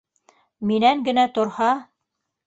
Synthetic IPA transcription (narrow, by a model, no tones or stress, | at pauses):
minæŋɡɘ̆næt̪ŏɾhɑ